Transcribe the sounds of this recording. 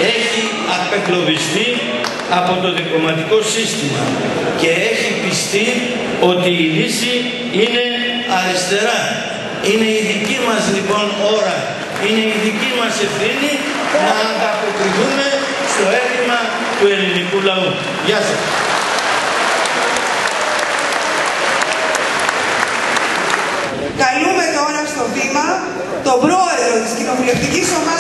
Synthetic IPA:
e̞çi | ɐpe̞klo̞vist̪i | ɐpo̞t̪o̞ðiplomɐt̪iko̞sist̪imɐ̰ | ce̞e̞çipist̪i | o̞t̪iːlisi | ine̞ | ɐɾist̪e̞ɾɐ | ine̞iðicimɐzlipo̞no̞ɾɐ | ine̞iðicimɐse̞fθini | nɐːŋɡ̪ɐpo̞kɾiθume̞ | st̪o̞e̞t̪imɐ | t̪ue̞linikulɐu | ʝɐsɐs | kɐlume̞t̪o̞ɾɐst̪o̞vimɐ | t̪o̞pɾo̞e̞ðɾot̪iscino̞vule̞ft̪iciso̞mɐ

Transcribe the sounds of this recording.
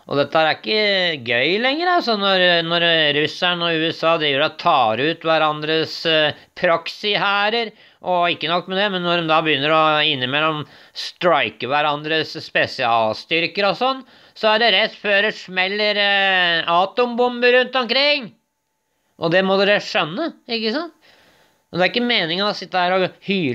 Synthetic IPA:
ʔɔ̰d̪ɛt̪ːəæɾæɪkːəɡœʏlɛŋːəɾɑlsɔnɔɾnɔɾɾʉsænɔʉːɛsɑːd̪ɾiːʋəɾɔt̪ʰɑːɾəʉːt̪ʋæɾɑnd̪ɾəs | pʰɾɑksɪhæːɾəɾ | ʔɔɪkːənɔkːmɛd̪ɛmɛnːɔɖɔmd̪ɑːbəjʏnːəɾɔɪnːəmɛlːɔm | st̪ɾɑɪkəʋæɾɑnd̪ɾəsːpɛsɪɑ̰ːlst̪ʏɾkəɾɔsɔnː | sɔæɖɛɾɛt̪ːføːɾəʂmɛlːəɾ | ɑːt̪ɔmbʊmbəɾʉnt̪ɔmkʰɾɪŋː | ʔɔd̪ɛmɔd̪ɛd̪æʂœnːəɪkːəsɑnt̪ | ɔd̪ɛæɾɪkːəmeːnɪŋənɔsɪt̪ːəæːɾɔhyː

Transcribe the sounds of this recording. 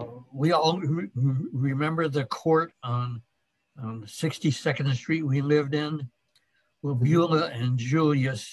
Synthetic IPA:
wiɔlˠ | ɹɪmɛ̃mbə˞ðɨkʰɔɹɾn̩ | sɪkstisɛkɨ̃ndstɹ̥it̚wilɪvdɪ̃n | wəbjulˠəɨ̃nd͡ʒulˠjɨs

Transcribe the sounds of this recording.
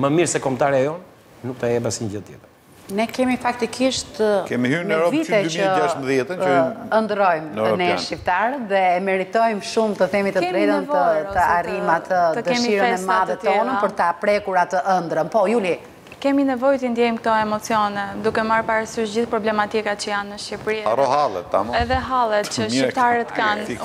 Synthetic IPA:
məmiɾsɛkɔmt̪aɾɛajɔ | nuk̚t̪aɛbasinɟəd̪jɛ̰t̪ | nɛkɛmifak̚t̪ikʰiʃt̪kɛmihyɛɾɔviɛəd͡ʒaʃt̪mbðjɛt̪əənd̪ɾɔjmnɛʃip̚t̪aɾətðɛːmɛɾit̪ɔjmʃumt̪əθɛmit̪əɛɾɛt̪ənvəɔt̪əarimat̪ʰət̪əd̪ɛmiiɾəɛnɛmaðɛt̪ɔnəpəɾt̪apɾɛkuɾat̪əʔənd̪ɾənpɔjuli | kɛminɛvɔjt̪əind̪jɛimk̚t̪ɔɛmɔt͡siɔnɛd̪ukɛmaɾpaɾasyʃd͡ʑiθpɾɔblɛmat̪ikat͡ɕəjanːəʃcipɾiaɾɔhalˠɛ̰t̪ːa̰mɛðɛɦalˠɛt̪t͡ɕəʃit̪aɾət̪kan

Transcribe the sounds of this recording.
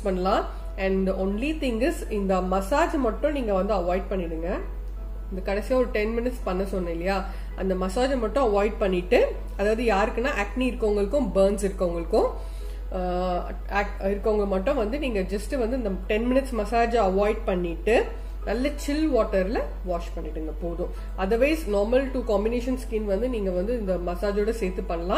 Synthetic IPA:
spɐɳːɐlãː | ɐɳdʔonlit̪ɪŋɡɪsɪnd̪ɐmɐsaːd͡ʒmɐʈːʊ̃niːŋɡɐʋɐnd̪ɯɐʋaːɪɖ̚pɐɳːɪɽɯŋɡɐ | ɪnd̪ɯkɐɽɛsɪjaːɔɾɯʈɛnmɪnɪʈspɐɳːɐsɔnːɐɪlːɐjaː | ʔɐ̰nd̪ɐmɐsaːd͡ʒɐmɐʈːʊ̃ɐʋaːɪɖ̚pɐɳːɪʈːɯ | ɐðaːʋɐðɯjaːɾɯkːɯnːaːʔaːk̚ʈniɪɾɯkːɐŋɡɐɭɯkːʊ̃bɐɾnsɪɾɯkːɐŋɡɐɭɯkːʊ̃ | kʈɪɾɯkːɐʋŋɡɐɭmɐʈːʊ̃ʋɐnd̪ɯniːŋɡɐd͡ʒɐsʈɯʋɐnd̪ɯɪnd̪ɐʈɛnmɪnɪʈsmɐsaːd͡ʒɐɐʋaːɪɖ̚pɐɳːɪʈːɯ | nɐlːɐt͡ʃɪlʋaːʈːɐɾɪlɐ | ʋaːʂpɐɳːɪʈːɯɪnɡɐpoːðʊ̃ | ʔɐðɐɾʋɐɪznoːɾmɐlʈukaːmbɪneːʂɐnskiːnʋɐnd̪ɯniːŋɡɐʋɐnd̪ɯɪnd̪ɐmɐsaːd͡ʒɔɽɐseːt̪ːɯpːɐɳːɐlãː

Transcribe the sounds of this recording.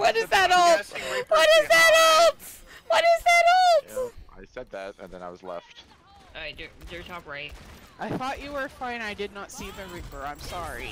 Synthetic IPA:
wʌɾɨzðɨɾɔlˠwʌɾɪzðɨɾolˠt | wʌɾɪzðɨɾolˠta̰ɪsɛd̪̚ðæ̰t̚ɨ̰̃nðɨ̃na̰ɪwʌzlɛ̰ft̚ | aədə˞tʰɑpɹaɪt̚ʔaɪθɔt͡ʃɨwə˞fãɪ̃naɪdɨdⁿnətsivɨɹɪ̃mbə˞ãɪ̃msɑɹi

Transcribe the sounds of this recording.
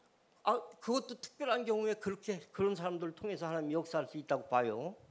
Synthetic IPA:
akɯɡʌt̚t͈otʰɯ̥k̚p͈jʌɾɦanɡjʌŋue̞kɯɾʌkʰe̞kɯɾʌns̬ʰaɾamdɯɾɯɭtʰoŋe̞sʰʌhanaɲimijʌk̚s͈aɦaɭs͈uit̚t͈aɡopajo

